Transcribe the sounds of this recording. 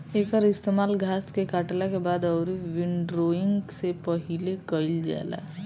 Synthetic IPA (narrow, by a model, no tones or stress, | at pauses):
eːkəɾɪst̪emaːlɡʱaːskekaːʈlakebaːd̪ɔʊɾiʋɪɳɖɾoːɪ̃ŋɡsepəɦilekəɪld͡ʒa̰ːla̰ː